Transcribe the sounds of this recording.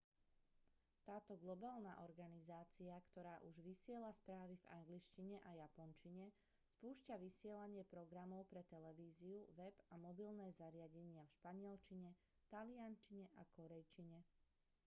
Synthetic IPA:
t̪aːt̪ɔɡlɔbaːlna̰ʔɔɾɡanizaːt͡siakt̪ɔɾaːʔuʒʋisɪɛlaspɾaːʋiva̰ŋɡliʃciɲɛʔajapɔnt͡ʃiɲɛ | spuːʃcaʋisɪɛlaɲɪɛpɾɔɡɾamɔʊpɾɛt̪ɛlɛʋiːziuʋɛbamɔbilnɛːzaɾɪaɟɛɲɪafʃpaɲɪɛlt͡ʃiɲɛ | t̪aliant͡ʃiɲɛʔakɔɾɛjt͡ʃiɲɛ

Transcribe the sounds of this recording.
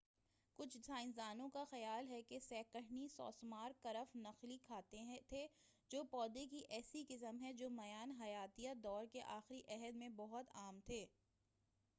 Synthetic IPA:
kʊt͡ʃʰtʰaːɪ̃nzaːnõkaxɐjaːlɦɛkesɛːkəɦnisɔ̰ːsmaːɾkɐɾəfnɐxlikʰaːt̪eɦt̪ʰe | d͡ʒoːpɔːd̪ek̬iʔɛːsikɪsəmɦɛd͡ʒoːmɐjaːnɦɐjaːt̪ijad̪ɔːɾkeʔaːxɾiʔɛɦəd̪mẽbɔɦʊt̪aːmt̪ʰeː

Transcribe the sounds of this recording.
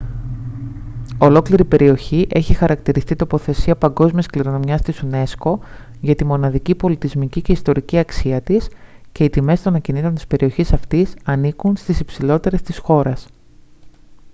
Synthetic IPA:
o̞lo̞kliɾipe̞ɾʔio̞çiʔe̞çixɐɾɐkt̪iɾist̪it̪o̞po̞θe̞siɐpɐŋɡo̞zmiɐskliɾo̞no̞mjɐst̪isune̞sko̞ | ʝɐt̪imo̞nɐðicipo̞lit̪izmicice̞ist̪o̞ɾiciɐksiɐt̪isce̞it̪ime̞st̪o̞nɐcinit̪ont̪i̥spe̞ɾio̞çisɐft̪isɐnikunst̪isipsilo̞t̪e̞ɾe̞st̪isxo̞ɾɐs

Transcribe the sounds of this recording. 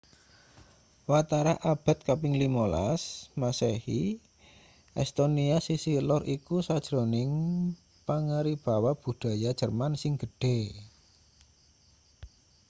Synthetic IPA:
wat̪aɾaʔab̥a̤t̪̚kapɪŋlimola̰smasehi | ʔɛ̰st̪oniasisilɔrʔikusad̥ʒ̥ɾonɪŋ | paŋaɾib̥a̤wab̥ṳd̥ä̤jad̥ʒ̥ərmansɪŋɡ̥ə̤ɖ̥e̤

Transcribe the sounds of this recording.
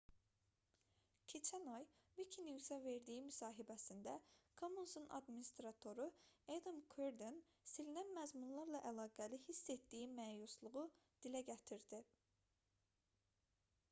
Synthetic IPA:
cʰe̞t͡ʃʰænɑjvicʰiniusæve̞ɾd̪ijimysɑːɦibæsind̪ækʰomunsunɑ̰d̪minist̪ɾɑt̪ʰo̞ɾued̪ɯmkʰøɾd̪en | silinænmæzmunlˠɑɾlˠɑʔælˠɑːɡælihisːet̪d̪ijimæːjuslˠuʁu | d̪̥ilæɟæt̪ʰiɾd̪̥i

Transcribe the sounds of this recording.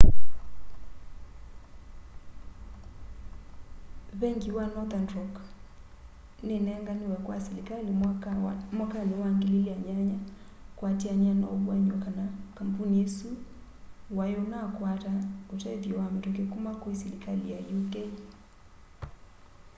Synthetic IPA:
βɛŋɡiwanɔθandrɔk | nenɛŋɡaniwɛkwaskali | mwakanewaŋɡeliliaɲaɲa | kwatiaɲanaoβwaɲakanakam̩punijɛsu | wajonakwataotɛvjɔwametokekumakoisɛlikalijajukei

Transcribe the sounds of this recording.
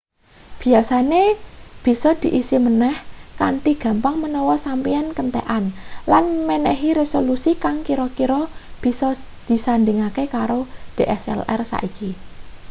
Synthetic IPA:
b̥i̤asaneb̥i̤sɔd̪̥i̤ʔisimənɛhkaɳʈiɡ̥ä̤mpaŋmənɔwɔsampiɛnkənt̪ɛ̰ʔanlanmenɛɦiɾesolusikaŋkiɾɔkiɾɔb̥isɔ | d̪̥i̤sand̪iŋakekaɾoɖ̥eʔɛsɛ̰lɛ̰rsa̰ʔiki

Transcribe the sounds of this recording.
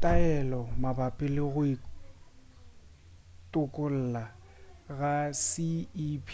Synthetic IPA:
tʼaɛlɔmabapʼɪlɪɣʊi | tʼʊkʼʊl̩ːla | ɣasɪipʰ

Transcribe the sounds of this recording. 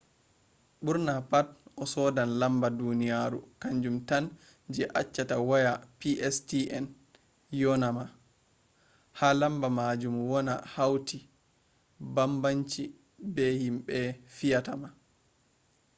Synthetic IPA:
ɓuɾnapat̚ʔɔsɔdanlambadunijaɾṵkaɲd͡ʒumtan | d͡ʒɛʔat͡ʃːatawajapiʔɛstiʔɛn | jɔnama | halambamad͡ʒumwɔna̰hawti | bambaɲt͡ʃi | bɛhimɓɛfijatama

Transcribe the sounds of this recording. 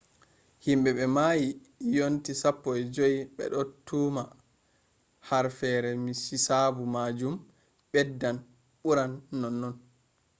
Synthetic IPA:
himɓɛɓɛmaji | jontisapːɔjɛd͡ʒojiɓɛ̰ɗɔtʰːuma | haɾfɛɾɛmisisabumad͡ʒum | ɓɛdːan | ɓuɾanːɔnːɔn

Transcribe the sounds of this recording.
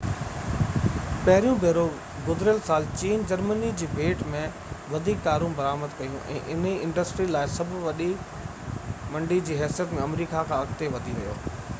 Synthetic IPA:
pɐɦɪɾijũbeːɾo | ɡʊd̪ʱɪɾjəlsaːlt͡ɕiːnd͡ʑɐɾmənid͡ʑiːʋeːʈmẽ | ʋɐd̪ʱiːkt̪aːɾũbɐɾaːməd̪kɐjũʔɛ̰̃ːʔɪn̤iɪ̃ɳɖəsʈɾilaːɪsɐbʱʊʋɐɗi | mɐ̃ɳɖid͡ʑiːɦɛːsijət̪mẽɐmɾiːkakʰãːɐɡt̪eʋɐd̪ʱiʋɐijo̰ː

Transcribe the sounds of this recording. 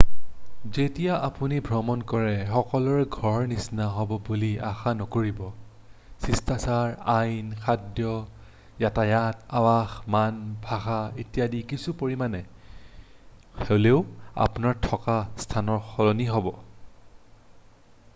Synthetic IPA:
zetijaʔapunibʱɹɔmɔnkɔɹɛxɔkɔlɔɹɛɡʱɔɹnisnaɦɔbɔbulia̰xanɔkoɹibɔ | sistasaɹajnkʰadjɔ | jatajatabaxmanbʱaxaetijadikisupoɹimanɛ | xeleʊa̰punaɹtʰɔkastʰanɔɹxɔlɔniɦobɔ

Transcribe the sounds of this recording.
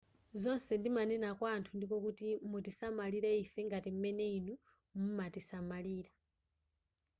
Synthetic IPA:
zɔnsɛndimanɛnakwaːntʰundikɔkutimutisamaliɾɛifɛŋɡatim̩mɛneinu | mumatisamaliːɾa

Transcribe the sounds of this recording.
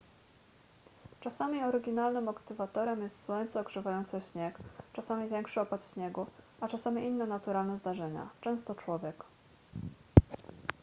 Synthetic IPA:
t͡ʂasamʲiɔɾɘɡʲinalnɘmɔkt̪ɘvat̪ɔɾɛmjɛst̪swɔɲt̪sɛɔɡʐɛvajɔnt̪sɛɕɲɛkt͡ʂasamʲivʲjɛŋkʂɘɔpat̪ɕɲɛɡu | at͡ʂasamʲiʔinːɛnat̪uɾalnɛzd̪aʐɛɲa̰t͡ʂɛ̃w̃st̪ɔt͡ʂwɔvʲjɛk

